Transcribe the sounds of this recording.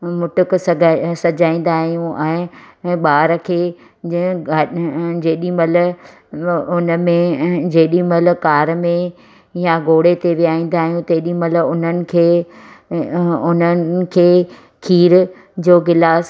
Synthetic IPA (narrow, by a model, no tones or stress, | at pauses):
mʊʈʊksɡʱsɐd͡ʑaːĩːnd̪aːɦijũʔɛ̃ːɓaːɾkʰeː | d͡ʑeːɗĩmɐl | ʊnəmẽd͡ʑeːɗĩmɐlkaːɾmẽ | jaɡoːɽet̪eʋijaːĩːn̆d̪aːɦijũt̪eːɗĩmɐlʊn̤ənɪ̆kʰeː | ʊnənkʰeː | kʰiːɾ | d͡ʑoːɡɪlaːs